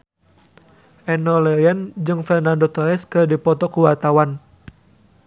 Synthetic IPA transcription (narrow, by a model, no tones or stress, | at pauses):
ʔɛnɔlɛɛnd͡ʒɨŋfɛrnandɔt̪ɔɛskɨrdipɔt̪ɔkuwart̪awan